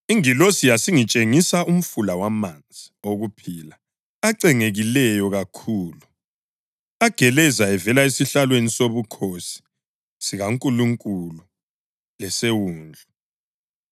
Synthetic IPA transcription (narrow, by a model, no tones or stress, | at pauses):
iŋilosijasiŋit͡ʃʼeŋisaum̩fulawamand͡zʱioɣupʰiːla | aǀɛŋeɣilɛjɔɣakʰuːlu | aɡ̥ʱɛlɛzaɛvɛlaesiɬalwenisoβukʰosi̥ | siɣaŋkʼuluŋkʼulu | lɛsewuːnd͡ɮʱu